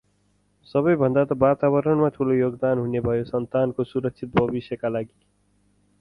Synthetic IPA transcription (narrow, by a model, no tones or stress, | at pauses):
sʌβʌjbʱʌnd̪at̪ʌbat̪aβʌɾʌɳmat̪ʰulojoɡd̪anɦunebʱʌjosʌnt̪ankosuɾʌk̚sʰit̪̚bʱʌbisjʌkalaɡi